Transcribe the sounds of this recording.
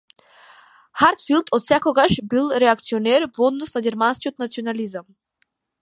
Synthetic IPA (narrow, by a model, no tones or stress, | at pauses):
haɾt̪filˠd̪ʰɔt̪sɛkɔɡaʃbilˠɾɛakt̪siɔnɛɾvɔd̪nɔsnaɡʲɛɾmanskiot̪nat̪sionalizam